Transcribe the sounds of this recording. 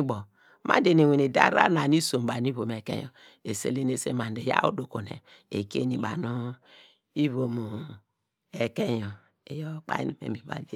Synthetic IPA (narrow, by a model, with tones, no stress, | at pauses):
bɔ˨ | ma̰˦de˨ne˨we˨ne˨da̰˦ɾa̰˦na˨ni˦so˨m˨ba˨n˦i˦βo˨m˨e˨kḛ˦jɔ˨ | e˨sḛ˦le˦n˦e˦sḛ˦ma˨nde˨ja̰˦ṵ˦do˨ko˨nḛ˨ | ḛ˨kḛ˦ni˨ɓa̰˨no˦ | i˦βo˨mu˨ | e˨ke˦jo˨ | e˦jo˦k͡pa̰˦ḭ˦ni˦mḛ˨mi˨ba̰˨d